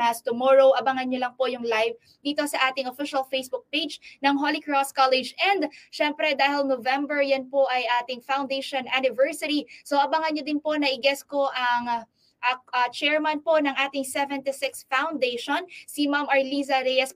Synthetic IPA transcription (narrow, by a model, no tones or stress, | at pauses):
ɐst̪ʊmoɹowʔɐbɐŋɐnɲolɐŋpo̞jʊŋlajv | d̪iːt̪o̞sɐʔaːt̪ɪŋʔofiʃɐlfejsbʊk̚pejd͡ʒnɐŋɦolɪkɹoskalɛd͡ʒɛnd̪ʃɛmpɾɛd̪aːhɪlnovɛmbɛɹjɐnpoʔɐjʔaːt̪ɪŋfawnd̪ejʃonʔanɪvɛɹsɐɾisoʔɐbɐŋɐnɲod̪ɪnpo̞nɐʔɪɡɛsko̞ʔɐŋ | ʔɐɐt͡ʃɛɹmɐnpo̞nɐŋʔaːt̪ɪŋsɛvɛnt̪ɪsɪksfawnd̪ejʃonsɪmamʔɐɹlizɐɾɛjɐs